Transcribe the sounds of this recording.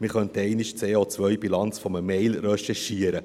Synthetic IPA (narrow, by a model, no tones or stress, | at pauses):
mɪχœntɛɪnɪʃt͡seːot͡svʋœjbilɑnt͡sfɔməmɛɪlrɛʃɛʃiəɾə